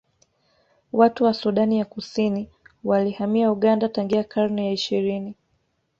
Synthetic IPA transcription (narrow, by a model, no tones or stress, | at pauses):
watuwasuɗanijakusini | walihamiauɠandataŋɡiakʰaɾnɛjaiʃiɾini